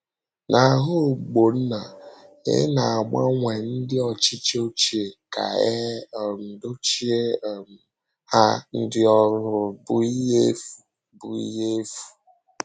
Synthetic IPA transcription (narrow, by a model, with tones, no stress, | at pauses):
nʔa˨ɦʊ˦˨ɡ͡bo˨n̩˦na˨ḛ˦na˨a˨mʷa̰˦ŋʷe˨n̩˦dɪ˦ɔ˨t͡ʃi˦t͡ʃo˦t͡ʃi˦˨e˨ka̰˨e˦ɔ˨do˦t͡ʃi˦e˦˨m̩˨ | ha˦n̩˦dɪ˦ɔ˦ɾʊ˦bʊ˨i˦ɦe˦fu˨ | bʊ˨ḭ˦ɦe˦fu̥˨